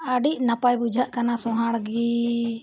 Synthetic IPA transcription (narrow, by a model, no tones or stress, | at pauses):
aɖiʔ̚napajbud͡ʒʱaʔkanasɔ̃ɦaɽɡi